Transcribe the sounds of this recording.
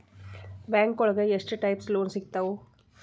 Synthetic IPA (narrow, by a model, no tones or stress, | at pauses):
baːŋkɔɭɐɡɐeʂʈɨʈɐjpsloːnsiɡ̚t̪ɐʋo